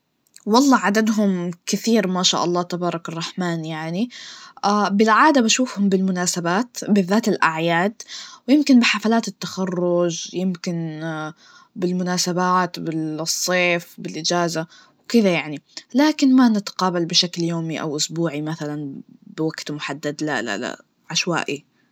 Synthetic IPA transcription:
wɑlˤːɑːʕad̪ad̪ɦʊmkɪθiːɾmaːʃa̰ːʔɑlˤːɑːt̪abɑːɾˤɑkɑrˤːɑħmaːnjaʕni | bɪlʕaːd̪abaʃuːfhʊmbɪlmʊnaːsabaːt̪bɪðːaːt̪ɪlʔaʕjaːd̪wjɪmkɪnbɪħafalaːt̪ɪt̪ːaxɑrːʊd͡ʒjɪmkɪn | bɪlmʊnaːsabaːt̪bɪsˤːeːfbɪlʔɪd͡ʒaːza | wkɪðajaʕnilaːkɪnmanɪt̪ḁqɑːbalbɪʃakljoːmiʔa̰wʔʊsbuːʕimaθalan | bɪwaɡt̪mʊħad̪ːad̪la̰la̰la̰ | ʕaʃwa̰ːʔi

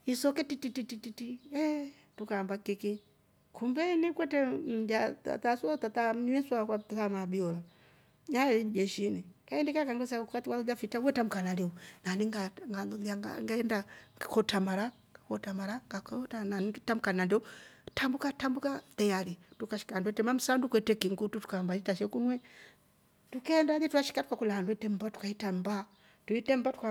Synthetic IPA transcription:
isɔkɛtitititititiɛ | tukaːmbakiki | kʰumbɛnikwɛtɛm̩d͡ʒata̰t̪asatat̪aɲwɛswakwattamabiɔla | ɲaɛlid͡ʒɛʃinikaɛndikakaŋɡɔsaukatiwaud͡ʒafitawɛtamukanaliunaniŋɡaŋɡaluðiaŋɡa̰ŋɡaɛndakɔtamaɾa | kɔtamaɾaŋɡakɔtananitamukanandɛutambukatambukat̪ɛjalitukaʃi̥kandwɛtɛmam̩sandukwɛtɛkiŋɡututu̥kambaitaʃɛkunwɛ | tukɛɛndaðitukaʃi̥katu̥kakulahanduwɛtɛm̩batu̥kaitamba | tuitɛmbatu̥ka

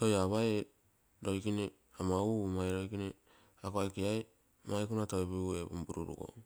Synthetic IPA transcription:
tojaβae | ɾojkine | amaumajɾojkine | akoajkiaj | majkunataeβiuebumbuɾṵɾṵɡo̰

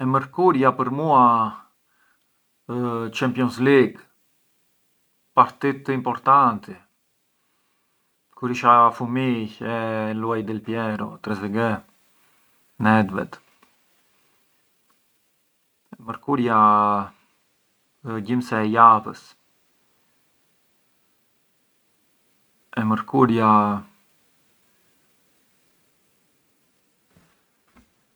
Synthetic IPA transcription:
ɛməɾkuɾjapəɾmua | t͡ʃɛmpjɔnsliɡ | paɾt̪it̪əimpɔɾt̪ant̪ɛ | kuɾiʃafumiɛluajd̪ɛlpjɛɾɔ̰t̪ɾɛzɛɡɛ | nɛd̪vɛ̰t̪ | ɛməɾkuɾja | ɟimsɛɛjavəs | ɛməɾkuɾja

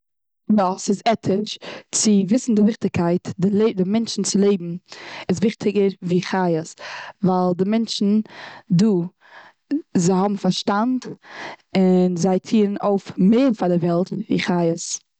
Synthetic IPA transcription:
dɔsɪzɛtʰɪʃt͡sɪvɪsn̩dɪvɪχtɪkʰaɪtdɪlˠeɪdɪmɛnt͡ʃn̩t͡sɪlˠeɪbm̩ɪsvɪχtʰɪɡəɾviːχajəsvalˠdɪmɛnt͡ʃn̩duː | zaɪhɔbm̩faɾʃtant | ɪnzaɪtʰiːn̩oʊfmeɪɾfadɪvɛlˠtvḭːχaɪəs

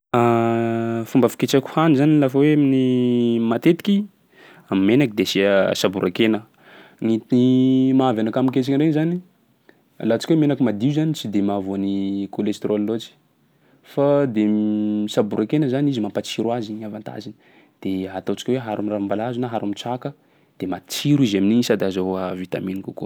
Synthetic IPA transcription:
a | fumbəfi̥ket͡ʃakʲu̥hanizanilafaweaminimat̪et̪i̥kʲi | amimenakid̪esisabuɾʔakenə | nit̪inimaavanakamiket͡ʃḁkʲɾenzani | lat͡ʃi̥kʲwemenakimad̪iuzanit͡sid̪emavonikolest̪ɾʔolːot͡si̥ | fad̪eisabuɾʔakenəzanizimampat͡siɾwaziɲavant̪ʰa̰zini̥ | d̪̥eɦat̪at͡ʃi̥kʲweɦaɾamiraambalazunaɦaɾamit͡sakə | d̪̥emat͡siɾizaminiɲisad̪azaavit̪a̰minikuku

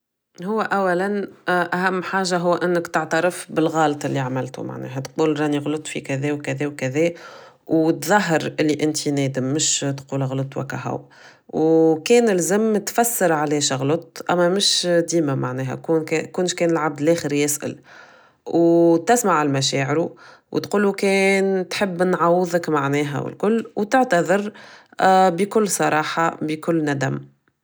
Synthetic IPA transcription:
hʊwːæʔæwːælænʔæɦæmːħaːʒaɦʊwːʔɪnːəkt̪əʕt̪aɾəfbɪlɣɑːlt̪ˤʔɪlːiʕamɪlt̪ṵma̰ʕnɛ̰ːɦæt̪quːlɾˤɑniɣlʊt̪ˤfikæðɛːwkæðɛːwkæðɛː | wt̪ðˤɑɦɑɾʔɪlːiʔɪnt̪ʰinɛːd̪əmːʊʃt̪quːlɣlʊt̪ˤwæ̰kːæ̰ɦa̰w | wkɛːnɪlzɪmt̪fæsːɪɾʕalɛːʃɣlʊt̪ˤʔæmːæmɪʃd̪iːmæmaʕnɛːɦɛ̰kunkːkuːnʃkɛːnɪlʕab̚d̪lʔɛːxəɾjɪsʔɪ̰l | wt̪ɪsmaʕalmæʃɛːʕɪɾu | wt̪quːlukɛːnt̪ħəbːnʕawəðˤəkmaʕnɛːɦɛ̰wɪ̰lkʊlːwt̪ɪʕt̪æðˤɪɾ | bikʊlːsˤɑɾˤɑːħɑbikʊlːnæd̪æm

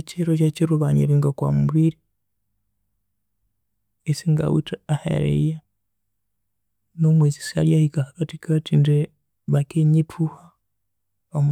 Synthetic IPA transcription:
eciɾocaciɾuβaɲḛɾiŋɡakwa̰muβiɾi | esiŋɡa̰wḭtaahḛɾḛja | nomwezisia̰ɾjahikahakatikatinde | βakeɲepuha | om

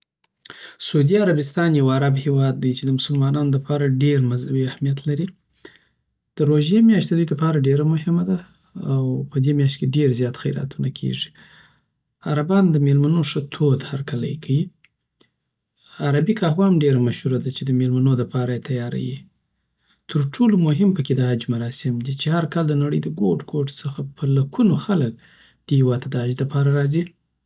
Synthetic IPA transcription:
suud̪iaɾabɪst̪ɑnjawaɾabhewɑd̪̚ːajt͡ʃed̪əmʊsʊlmɑnɑnoləpʰɑɾaɖeɾmazabiahmijat̪laɾi | d̪̥əɾoʒjemjɑʃt̪d̪əd̪ujd̪əpɑɾaɖeɾamʊhɪmad̪aː | wpəd̪emjɑʃt̪keɖeɾzjɑt̪xajɾa̰t̪unakʰḛʐi | aɾabɑnd̪əmelmanoʂət̪ʰod̪haɾkala̰jkʰawi | aɾabikɑhwɑmɖeɾamaʃhuɾad̪at͡ʃed̪əmelmanod̪əpɑɾajet̪ʰajɑɾa̰ji | t̪əɾʈʰolomʊɦɪmpəked̪əɦad͡ʒmaɾɑsɪmd̪it͡ʃehaɾkɑld̪ənaɽə̰jd̪əɡoʈɡoʈsəxapʰəlakunoxalək̚ | d̪̥əhɪwɑd̪̚t̪ʰad̪əad͡ʒd̪əpɑɾaɾɑzi

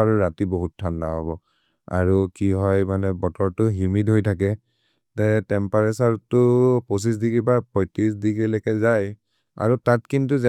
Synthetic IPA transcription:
aɹuɹatiboɦutʰːanːaɦɔbɔ | a̰ɹukiɦɔjmanɛbɔtɔɹtʊɦjumidɦojtʰakɛ | tɛtɛmpaɹɛsaɹtʊpos̬is̬dikibapɔjtisdiɡilekɛzaj | a̰ɹutatkintuzɛ

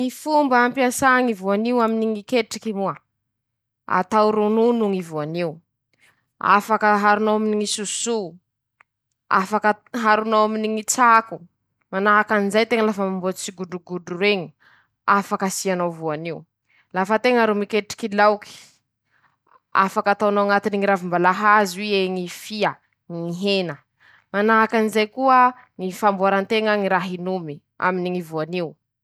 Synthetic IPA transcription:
mifumbəːmpiasaŋivuaniwaminiŋikeʈ͡ʂikimua | a̰t̪awɾununuŋivuaniu | a̰fakəɦaɾunowaminiŋisusu | a̰fakəɦaɾunawaminiŋit͡saku | manaɦakanizajt̪eŋəlafəmambot͡st͡siɡuɖ͡ʐuɡuɖ͡ʐuɾeɲi | afakasianowvuaniw | lafət̪eŋəɾumikeʈ͡ʂi̥kilawki̥ | a̰fakat̪awnaaŋat̪iniŋiɾavimbalaɦazwieŋifia | ŋiɦenə | manaɦakanizajkuə | ŋifambaɾant̪eŋəŋiɾaɦinumi | a̰miniŋivuaniu

